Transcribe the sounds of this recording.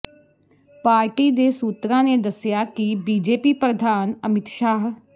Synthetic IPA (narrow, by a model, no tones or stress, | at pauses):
paːɾʈiːd̪eːsuːt̪ɾãːneːd̪əsjaːkibiːd͡ʒeːpiːpɾəd̪ʱaːnəmɪt̪ʃaːɦ